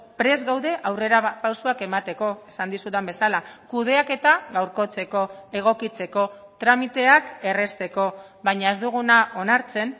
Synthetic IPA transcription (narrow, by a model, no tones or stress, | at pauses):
pɾe̞zɣawðe̞ʔawre̞ɾapawsuake̞mat̪e̞ko̞esand̪isut̪embe̞salakuð̞e̞ake̞t̪aɣawɾko̞t͡se̞ko̞e̞ɣ̞o̞kit͡se̞ko̞t̪ɾamit̪e̞ake̞re̞st̪e̞ko̞βaɲae̞zd̪uɣ̞unaʔo̞naɾt͡se̞n